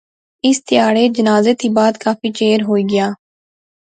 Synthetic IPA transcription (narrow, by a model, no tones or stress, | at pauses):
ɪst̪ɪjaːɽeːd͡ʒənaːzeːt̪iːbaːd̪kaːpiːt͡ʃeːəɾɦoːiːɡɪjaː